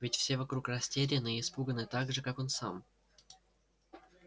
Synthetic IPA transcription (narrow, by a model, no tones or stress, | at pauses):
vʲɪtʲfsʲe̞vɐkɾukrɐsʲtʲeɾʲɪnɨːspuɡənɨt̪aɡʐɨkako̞nsa̰m